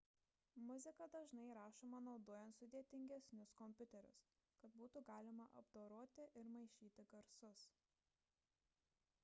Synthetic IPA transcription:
mʊzʲɪkɐd̪ɐʒnɐɪɾɑːʃoːmɐnɒʊd̪oːjɛnt̪sʊd̪ʲeɛt̪ʲɪŋʲɡʲɛsʲnʲʊskɔmʲpʲʊt̪ʲɛɾʲʊ̰s | kɐt̪buːt̪uɡɑːlʲɪmɐʔɐ̰bd̪oːɾoːt̪ʲɪʔɪɾmɐɪʃʲiːt̪ʲɪɡɐɾsʊs

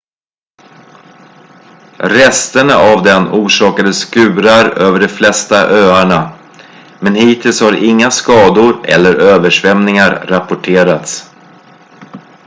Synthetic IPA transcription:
ɾɛst̪əɳaʔavd̪ɛnuːʂɑːkad̪əskʉ̟ːɾaɾøːvəɖɛflɛst̪aʔøːaɳa | mɛnhiːt̪ʰɪlshaɾɪŋːaskɑːd̪ʊɾɛ̰lːəɾøːvəʂvɛmnɪŋaɾːapʊʈʰeːɾat̪s

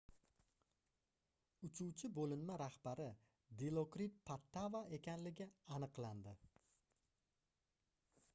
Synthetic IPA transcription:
ʊt͡ʃʰuwt͡ʃʰɪbolɪnmaɾahbaɾɪ | d̪elˠokɾippʰːat̪ːavae̞kʲanlɪɡʲɪanɨqlˠand̪ɪ

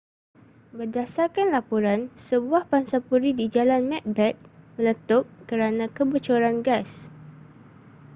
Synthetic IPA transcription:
bərdasarkanlapuɾansəbuahpansapuɾidid͡ʒalanmɛk̚bɾɛt̪̚mə̃lət̪ɔp̚kəɾanãkəbət͡ʃoɾanɡas

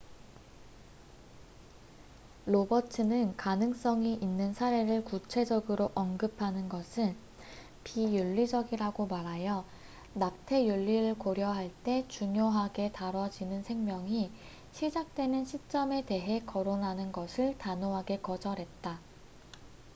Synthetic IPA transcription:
ɾobʌtʰɯnɯnkanɯŋs͈ʌŋiʔinːɯnsʰaɾe̞ɾɯɭkut͡ɕʰe̞d͡ʑʌɡɯɾoʔʌnɡɯpʰanɯnɡʌsʰɯn | pijuʎːid͡ʑʌɡiɾaɡomaɾajʌ | nak̚tʰe̞juʎːiɾɯɭkoɾjʌɦaɭt͈e̞t͡ɕuŋjoɦaɡe̞taɾʌd͡ʑinɯnsʰeŋmjʌŋi | ɕʰid͡ʑak̚t͈we̞nɯnɕʰit͡ɕ͈ʌme̞te̞ɦe̞kʌɾonɦanɯnɡʌsʰɯɭtanoɦaɡe̞kʌd͡ʑʌɾɦe̞t̚t͈a

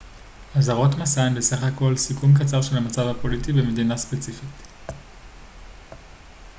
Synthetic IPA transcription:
azaʁo̞tmasaenbesaχako̞lsikumkat͡saʁʃe̞lhamat͡savapo̞litibe̞med̪inaspe̞t͡sifit

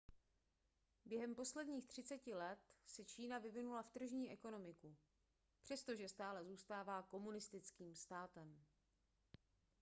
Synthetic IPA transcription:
bjɛɦɛmpo̞slɛdɲiːxt̪r̝̥ɪt͡sɛcɪlɛt̪sɛt͡ʃiːnavɪvɪnulaft̪r̩ʒɲiːʔɛko̞no̞mɪku | pr̝̥ɛst̪o̞ʒɛst̪aːlɛzuːst̪aːvaːko̞munɪst̪ɪt͡skiːmst̪aːt̪ɛm

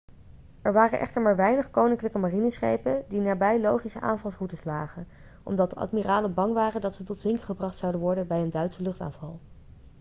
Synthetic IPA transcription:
ɛɹʋaːrənʔɛ̰χtəɹmaːɹʋɛjnəχkownɪŋkələkəmarinəsχḛjpəndinaːbɛjlowχisəʔa̰ːnvɑlˠsrutəslaːχən | ʔɔ̰mdɑt̚dəʔɑ̰tmiraːləbɑŋʋaːrəndɑtsətɔtʋɪŋkəχəbrɑχtsɑwdənʋɔɹdənbɛjəndœɥtsəlɵχta̰ːnvɑlˠ

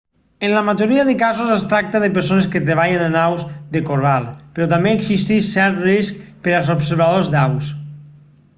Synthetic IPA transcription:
ənləmad͡ʒoɾiaðəkazuzest̪ɾak̚t̪aðep̬əɾsoneskət̪ɾeβaʎenanawzðekoɾβalˠpeɾɔt̪̬ambeːksist̪iʃsɛɾt̪riskpəɾalˠzopseɾβaðozd̪aws

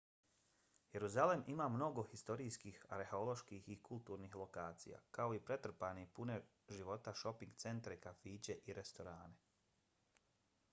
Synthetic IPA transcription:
jeɾuzalemimamno̞ɡo̞xist̪o̞ɾiːskiːxa̰ɾheolˠo̞ʃkihikulˠt̪uɾnixlˠo̞kaːt̪sḭja̰kao̞ipɾe̞t̪r̩paːnipune | ʒiʋo̞t̪aʃo̞piŋɡt̪se̞nt̪ɾekafiːt͡ɕe̞ʔiɾe̞st̪o̞ɾaːne̞

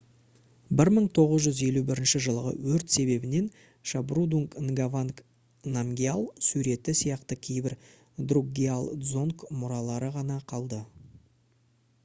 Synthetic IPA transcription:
bɪɾməɴt̪ʰo̞ʁəzʒʏze̞lubɪɾɪnʃɪʒəlˠʁə̰wɵɾt̪se̞βe̞bɪne̞n | ʃabrud̪uŋknɡavank | namɡʲialˠsuɾe̞t̪ɪsijɑqt̪əkʲʰe̞jbɪɾ | d̪ruɡʲialˠd̪zoŋkmʊɾɑlˠɑɾəʁɑnɑqʰɑlˠd̪ə

